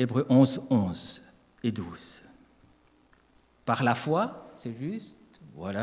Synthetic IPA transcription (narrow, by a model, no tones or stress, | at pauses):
ebʁøʔɔ̃zɔ̃z | ed̪uːz̥ | paʁlafwasɛʒyst̪vwala